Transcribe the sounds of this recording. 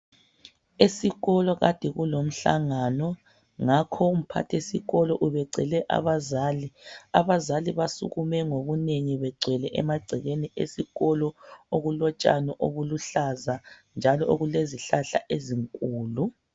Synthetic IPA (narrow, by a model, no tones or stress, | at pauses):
esiɣɔlɔɣa̰d̥ʱɛɣulom̩ɬa̰ŋanɔ | ŋakʰɔum̩pʰa̰tʰesḭɣɔlɔʔuβɛǀʱɛ̰lɛʔa̰βazaːliaβazaliβasṵɣumɛŋoβuneŋiβɛɡ͡ǀʱɛlɛʔɛ̰maɡ͡ǀʱɛɣeniḛsiɣɔlɔoɣulɔt͡ʃʼa̰nɔʔoβuluɬazand͡ʒʱalɔoɣuleziɬaɬa̰ʔeziŋkʼuːlu